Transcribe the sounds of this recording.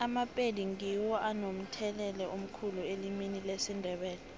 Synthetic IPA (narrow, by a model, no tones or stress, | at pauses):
amapʼedʱiŋiwɔʔanom̩tʰɛlɛlɛum̩kʰulueliminilesindʱɛɓɛːlɛ